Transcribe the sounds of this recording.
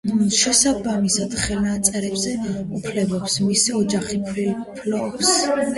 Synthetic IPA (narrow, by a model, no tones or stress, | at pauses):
ʃɛsabamisad̪̥χɛlnat̪sʼɛɾɛbzɛupʰlɛbɔpsmisiɔd͡ʒaχipʰɾilpʰlɔs